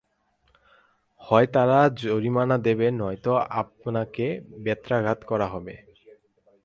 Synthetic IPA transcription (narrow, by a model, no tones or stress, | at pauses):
hɔet̪aɾad͡ʑoɾimanad̪ebenɔjt̪oap̚nakebɛt̪ːɾaɡʱat̪kɔɾaɦɔbe